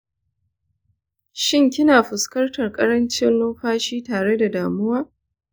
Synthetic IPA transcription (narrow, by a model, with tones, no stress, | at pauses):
ʃɪ˦ŋkʲɪ˦naː˨ɸʊ˨skɐ˦rtɐ˨rkʼɐ˦ɾɐ˦nt͡ʃɪ˦nloː˦ɸaː˦ʃiː˦taː˨ɽe˦da˨daː˨mʊ˦waː˦